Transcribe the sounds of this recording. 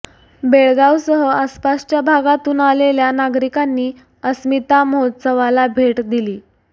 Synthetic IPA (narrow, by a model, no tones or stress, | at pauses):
beɭɡawsəɦəaspast͡ɕjabʱaɡat̪uːnaleljanaɡɾikanːiː | əsmit̪aməɦot̪səʋalabʱeʈd̪iliː